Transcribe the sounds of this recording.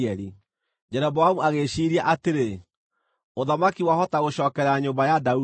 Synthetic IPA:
ɛɾi | d͡ʒɛɾɛbɔamuaɣeʃiɾiaʔateɾe | oðamakiwahɔtaɣoɕɔːkɛɾaɲoːmbajadau

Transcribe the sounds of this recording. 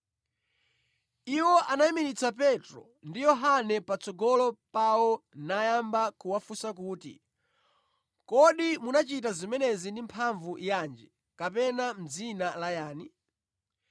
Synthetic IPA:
iwɔʔanaimiɾit͡sapɛtɾɔ̰ | ndijɔɦanɛpat͡sɔɡɔlɔpawɔnajambakuwafusakuːtḭ | kɔɗimunat͡ʃitazimɛnɛzindimpʰaɱvujand͡ʒɛ | kapɛnam̩zinalajaːni

